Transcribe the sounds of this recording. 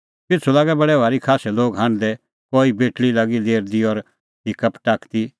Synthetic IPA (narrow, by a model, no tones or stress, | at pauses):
pɪt͡sʰulaːɡɛbɐɽɛbʱaːɾikʰaːsɛloːɡɦãɳ̃d̪ɛ | koːibeːʈlilaːɡid̪eːɾd̪iɔɾ | ɦɪkəpʈaːkʰt̪i